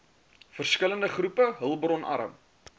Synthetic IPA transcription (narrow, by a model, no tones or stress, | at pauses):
fərskələndəχrupəɦəlˠbrɔnʔɐ̰ɾə̰m